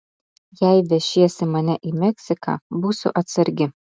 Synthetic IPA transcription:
jæɪʋʲɛʃʲiɛsʲɪmɐnʲɛʔimʲɛksʲɪkɑ̰buːsʊ̰ʔɐt̪sɐɾʲɡʲɪ

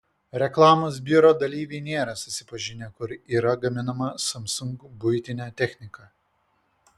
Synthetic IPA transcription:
ɾʲɛklˠɑːmoːsbʲɪɾoːd̪ɐlʲiːʋʲɛɪnʲeːɾɐsʊsʲɪpɐʒʲɪnʲekʊɾiːɾɐɡɐmʲɪnɐmɐsɐmsʊŋkbʊɪt̪ʲɪnʲæːt̪ʲɛxʲnʲɪkɑː

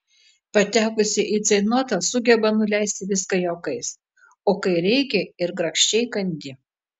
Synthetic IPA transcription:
pɐt̪ʲæːkʊsʲɪʔiːt̪sɐɪnoːt̪ɐsʊɡʲɛbɐnʊlʲɛɪsʲt̪ʲɪʋʲɪskɐjoːkɐɪs | oːkɐɪɾʲɛɪkʲɛɪɾɡɾɐkʃʲt͡ʃʲɛɪkɐnʲd̪ʲɪ

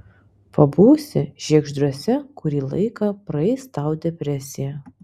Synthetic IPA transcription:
pɐbuːsʲɪʒ̥ʲiɛɡʒd̪ɾuɔsʲɛkʊɾʲiːlˠɐ̰ɪkɑːpɾɐɛɪst̪ɑˑʊd̪ʲɛpʲɾʲɛsʲɪjæ

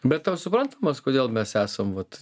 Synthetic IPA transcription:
bʲɛt̪t̪ɐʊsʊpɾɐnt̪ɐmɐskoːd̪ʲeːlˠmʲɛsæːsɐmʋɐt̪

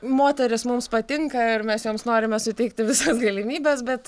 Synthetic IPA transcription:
moːt̪ʲɛɾʲɪsmʊmspɐt̪ʲɪŋkɐɪɾmʲɛsjoːmsnoːɾʲɪmʲɛsʊt̪ʲɛɪkt̪ʲɪʋʲɪsɐsɡɐlʲɪmʲiːbʲɛsbʲɛt̪

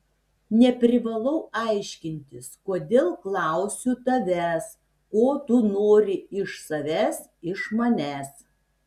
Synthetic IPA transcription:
nʲɛpʲɾʲɪʋɐlˠɐʊʔɑɪʃʲkʲɪnʲt̪ʲɪskoːd̪ʲeːlˠklˠɑˑʊsʲut̪ɐʋʲæːs | koːt̪ʊnoːɾʲɪɪʃsɐʋʲæːs | ɪʃmɐnʲæːs

